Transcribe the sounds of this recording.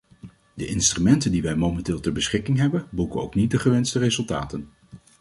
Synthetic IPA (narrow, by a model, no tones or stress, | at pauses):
dəʔɪnstrymɛntəndiʋɛjmomɛntɪːlˠtɛɹbəsχɪkɪŋɦɛbənbukəno̰wknit̚dəχəʋɛnstərezɵlˠta̰ːtən